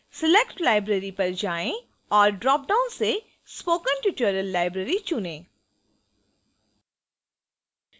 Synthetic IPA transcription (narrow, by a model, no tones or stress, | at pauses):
sɪlekʈlaːɪbɾeɾipɐɾd͡ʒaːẽ | ɔːɾɖɾɔːp̚ɖãːʊ̃nse | spoːkə̃nʈɪʈəːɾəlːaːɪbɾəɾit͡ʃʊnẽː